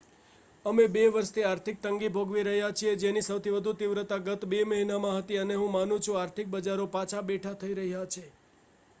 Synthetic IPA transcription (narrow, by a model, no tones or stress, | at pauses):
əmebeʋəɾʃt̪ʰiaɾt̪ʰik̚t̪əŋɡibʱoɡʋiɾəɦjat͡ʃʰied͡ʒenisəwt̪ʰiʋəd̪ʱut̪iʋɾət̪aɡət̪beməɦinamãɦət̪iəneɦũmanũt͡ʃʰũaɾt̪ʰik̚bəd͡ʒaɾopãt͡ʃʰabeʈʰat̪ʰəiɾəɦjat͡ʃʰe